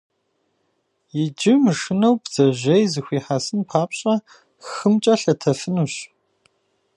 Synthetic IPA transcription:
jɪd͡ʒɪmɨʂɨnɐwbz̥ɐʑɐjzɨxʷiːħasɨnpʰaːpɕʼɐ | xɨmt͡ʃʼɐɬɐtʰɐfɨnuɕ

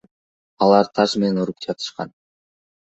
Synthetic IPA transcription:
ɑlˠɑɾt̪ʰɑʃme̞ne̞nuɾup̚d͡ʒɑt̪ʰɯ̥ʃqɑ̰n

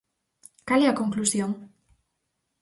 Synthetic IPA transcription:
kaliakoŋklusjoŋ

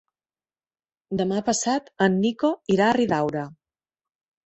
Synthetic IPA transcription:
d̪əmapəsat̪ənːikoiɾaːriðawɾə

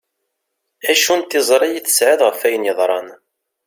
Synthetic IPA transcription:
æʃunt̪ːɪzˤɾˤɑjiθə̥sʕɪðʁəfæjənjəðˤɾˤɑn

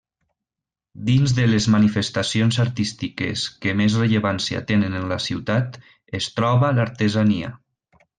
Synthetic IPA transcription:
d̪inzðəlezmanifest̪asionzaɾt̪ist̪ikḛskəmezreʎəβansia̰t̪enenənlasiwt̪at̪ | est̪ɾɔβalaɾt̪ezania̰

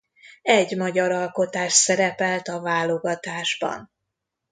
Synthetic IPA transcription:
ɛɟmɒɟɒɾɒlko̞t̪aːʃsɛɾɛpɛlt̪ɒvaːlo̞ɡɒt̪aːʒbɒ̰n

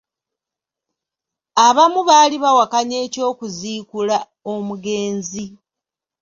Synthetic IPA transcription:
aβamuβaːliβawakaɲe̞ːco̞ːkuziːkula | omuɡe̞ːnzi

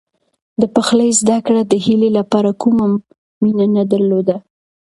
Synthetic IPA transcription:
d̪əpaxləjzd̪akɽad̪əhilelapɑɾakumamː | inanad̪aɾlod̪a

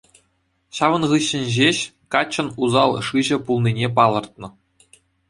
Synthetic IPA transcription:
ɕɑʋɤ̆nʁɯɕːɘ̆nʲʑeɕkɑt͡ɕːɤ̆nuzɑlˠʂɯʑɘ̆pulˠninʲep̬ɑlˠɤ̆rt̪̚nɤ̆

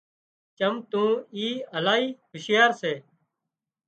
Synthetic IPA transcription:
t͡ʃəmt̪ũːiːəlaːiːɦʊʃɪjaːɾseː

